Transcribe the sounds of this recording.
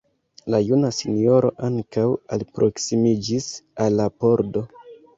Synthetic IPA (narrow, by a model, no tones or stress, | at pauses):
lajunasinio̞ɾo̞̰ʔaŋkawalpɾʔo̞ksimid͡ʒisalːapo̞ɾdo̞